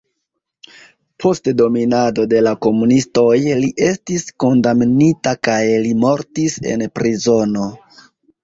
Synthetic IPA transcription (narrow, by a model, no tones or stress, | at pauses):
pʰo̞stdo̞minado̞de̞lako̞munisto̞jliʔe̞stisko̞ndamnitakajlimo̞ɾtise̞̰npɾizo̞no̞